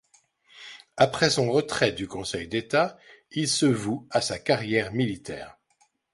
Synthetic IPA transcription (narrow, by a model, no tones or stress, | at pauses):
apχɛsɔ̃ʁət̪χɛd̪ykɔ̃sɛjd̪et̪a | ilsəvuasakaʁjɛʁmilit̪ɛ̰ːʁ